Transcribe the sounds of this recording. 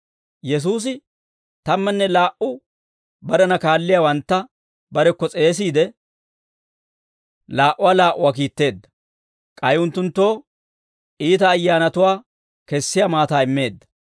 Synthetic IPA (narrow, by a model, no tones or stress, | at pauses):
jɛs̬uːs̬ɪ | t̪ɐmːɛnːɛlaːʔʊ | bɐɾɛnɐkaːlːɪjawɐnt̪ːɐ | bɐɾɛkːɔt͡sʼe̞ːs̬iːd̪ɛ | laːʔʊwaːlaːʔʊwaːk̬iːt̪ːe̞ːd̪ːɐ | kʼɐjʊnt̪ːʊnt̪ːo̞ː | ʔiːt̪̬ɐːjːaːnɐt̪ʊwaː | kɛsːɪjamaːt̪aːɪmːe̞ːd̪ːɐ̥